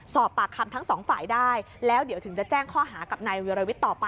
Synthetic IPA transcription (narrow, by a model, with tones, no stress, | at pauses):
sɔː˨˩pːaː˨˩k̚kʰa˧mt̪ʰa˦˥ŋsɔː˩˦ŋfaː˨˩jdaː˥˩j | lɛː˦˥wdi˨˦wt̪ʰɯ˩˦ŋt͡ɕa˨˩t͡ɕɛː˥˩ŋkʰɔː˥˩ɦaː˩˦ka˨˩p̚naː˧jwi˧ɾa˧wi˦˥t̪ːɔː˨˩pa˧